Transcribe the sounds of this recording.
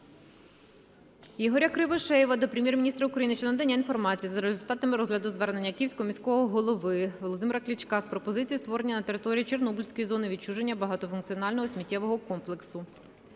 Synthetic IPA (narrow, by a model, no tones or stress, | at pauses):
jiɦɔɾʲɐkɾɪʋɔʃɛjiʋɐd̪ɔpɾʲemʲjeɛrmʲinʲist̪ɾɐukɾɐjinɪt͡ʃnd̪ɛnʲːɐinfɔrmɑt͡sʲijizɐɾezʲʊlʲt̪ɑt̪ɐmɪɾɔzɦlʲɐd̪ʊzʋɛrne̞nʲːɐkʲiwsʲkɔmʲisʲkɔɦɔɦɔlˠɔʋɪʋɔlˠɔd̪ɪmeɾɐklʲit͡ʃkɑspɾɔpɔzɪt͡sʲijust̪ʋɔɾe̞nʲːɐnɐt̪e̞ɾɪt̪ɔɾʲijit͡ʃe̞rnɔbulʲsʲkɔjizɔnɪʋʲid̚t͡ʃuʒe̞nʲːɐbɐɦɑt̪ɔfʊnkt͡sʲijɔnɑlʲnɔɦɔsʲmʲitʲːɛʋɔɦɔkɔmplˠeksʊ